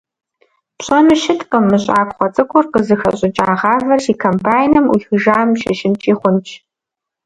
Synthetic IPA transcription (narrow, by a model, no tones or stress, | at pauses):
pɕʰʼɐmɨʃɪtʼqəmɨɕʼaːkʷχʷɔt͡sʼɨkʷʰʼʊrqəzɨxɐ̰ɕʼɪt͡ʃʼaːʁɑːvɐrʃiːkʰompʰaːjnɨmixɨʒaːmʃɐʃɪmt͡ʃʼiːχʷʊnt͡ʃʰ